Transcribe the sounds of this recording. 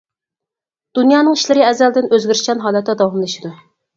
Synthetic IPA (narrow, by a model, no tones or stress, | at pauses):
d̪̥unjɑːnɨŋiʃlɪɾɪɛzɛld̪ɪnøzɡʲyɾʃʲɛnɦɑːlˠɛt̪ːɛd̪ɑwɑmlˠɨʃid̪u